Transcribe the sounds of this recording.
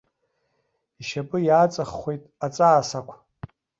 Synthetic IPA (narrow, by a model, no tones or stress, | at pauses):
iʃapʼɨjaːt͡sʼaχːʷejtʼat͡sʼaːsakʷʰ